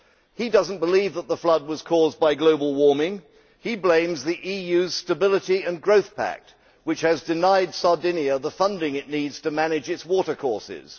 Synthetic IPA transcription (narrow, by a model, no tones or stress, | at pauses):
hidʌz̃n̩b̥əlivðət̪̚ðəflʌd̚wʌz̥kʰɔzbaɪɡloʊbəl̩ˠwɔɹmɪ̃ŋ | iblẽɪ̃mzðiʔijʉz̥stəbɪlˠəɾiɨ̃nɡɹoʊθpʰæ̰k̚t̚ | wɨt͡ʃhɨzdɨnaɪdsɑɹdɪ̃niɨðəfʌ̃ndɪ̃ŋɨʔⁿnidz̥tʰɨmænɨd͡ʒɨtswɔɾə˞kʰɔɹsɪ̰z̥